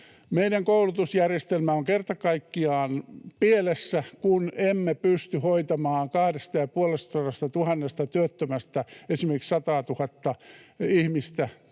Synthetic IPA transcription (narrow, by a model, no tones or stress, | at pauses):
meiɾæŋkoulut̪usjærjest̪elmæoŋkert̪ɑkɑikːiɑːnpielesːækunemːepyst̪yhoit̪ɑmɑːŋkɑhɾest̪ɑjɑpuolest̪ɑsɑrɑst̪ɑt̪uhɑnːest̪ɑt̪yøt̪ːømæst̪æesimerkiksɑt̪ɑːt̪uhɑt̪ːɑihmist̪æ